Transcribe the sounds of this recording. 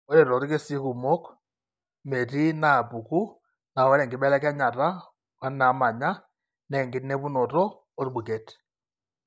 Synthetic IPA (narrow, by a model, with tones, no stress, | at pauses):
ɔ˦ɾɛ˨ɾɔ˨ɾi˦ke˦si˦ku˨mɔ˦k | mɛ˨ti˦na˨bu˨ku˦ | na˨ɔ˦ɾɛ˨ŋɡi˨ɓɛ˦lɛ˦kɛ˦ɲa˨ɾa˦ | wa˦na˨˦ma˨ɲa˦ | nɛ˦˨ŋɡi˨nɛ˦βu˦nɔ˨ɾɔː˦ | ɾi˦ɓu˨kɛ˦t